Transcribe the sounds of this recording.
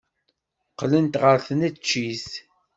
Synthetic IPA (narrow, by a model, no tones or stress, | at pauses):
qlənt̪ʁəɾθnæt͡ʃːis